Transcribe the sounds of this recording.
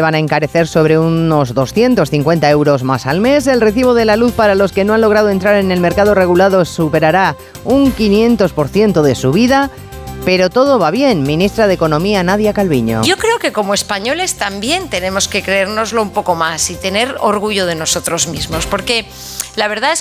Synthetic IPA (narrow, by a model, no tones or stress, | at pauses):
eβanaeŋkaɾe̞θe̞ɾso̞β̞ɾe̞unno̞zðo̞sθje̞nt̪osθiŋkwe̞nt̪ae̞wɾo̞zmasalme̞se̞lre̞θiβo̞ðe̞laluθpaɾalo̞ske̞no̞anlo̞ɣ̞ɾað̞oe̞nt̪ɾaɾe̞nelme̞ɾkaðo̞re̞ɣulaðosupe̞ɾaɾa | uŋkinjẽ̞nt̪o̞spo̞ɾθje̞nt̪o̞ð̞e̞suβ̞iða | pe̞ɾo̞t̪o̞ð̞o̞βaβje̞nmĩnist̪ɾaðeko̞nõ̞mianaðjakalβiɲo̰ʝo̞kɾe̞oke̞ko̞moespaɲo̞le̞st̪ambje̞nt̪e̞ne̞mo̞ske̞kɾe̞eɾno̞zlo̞umpo̞ko̞masit̪e̞ne̞ɾo̰ɾɣuʝoð̞e̞no̞so̞t̪ɾozmizmo̞spo̞ɾke̞ | laβe̞ɾðaes